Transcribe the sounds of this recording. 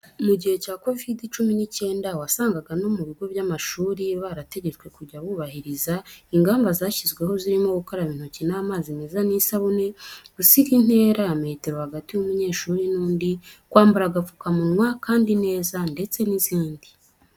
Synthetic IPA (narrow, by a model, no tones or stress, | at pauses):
muɟihe̞caːko̞vidit͡ʃuminice̞ːndawasaːŋɡaɡano̞muβiɡo̞βjamaʃuːɾiβaɾate̞ɟe̞t͡swe̞kuɟaβuːβahiɾizaiŋɡaːmbazaːçizɡwe̞ɦo̞ziɾimo̞ɡukoɾaβiːn̥hucinamaːzime̞zaniːsaβune̞ɡ̥usikin̥he̞ːɾajame̞ːte̞ɾohaɡatijumuɲe̞ːʃuːɾinuːndikwaːmbuɾaɡafukamunwakʰaːndine̞ːzande̞t͡se̞niziːndi